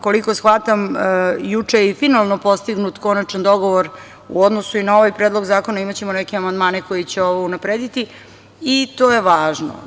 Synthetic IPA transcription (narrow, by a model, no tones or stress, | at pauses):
ko̞liko̞sxʋat̪amjut͡ʂeifinalˠno̞po̞st̪iɡnut̪ko̞nat͡ʃand̪o̞ɡo̞ʋo̞ɾ | ṵod̪nosuinao̞ʋajpɾed̪lˠo̞ɡzaːko̞naimat͡ɕemonekeamand̪maːneko̞jit͡ɕeo̞ʋounapɾeːd̪it̪i | it̪oːjeʋaːʒno̰